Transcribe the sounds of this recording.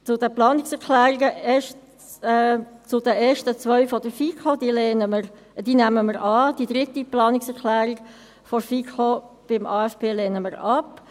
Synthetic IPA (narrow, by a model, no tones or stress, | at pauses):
t͡sʊdəplɑːnɪksɛɾkʰlæːɾiɡəɛʃtː | t͡sʊdəʔeːʃtət͡sʋœʏfɔd̥̪əɾfikʰod̥̪iːlenəmə | d̥̪iːnæməməɾɑːd̥id̪ɾɪt̪iplɑːnɪksɛklæːɾɪɡ | fɔfikʰo | b̥ɪmʔɑːɛfpʰeːlɛːnəməɾɑp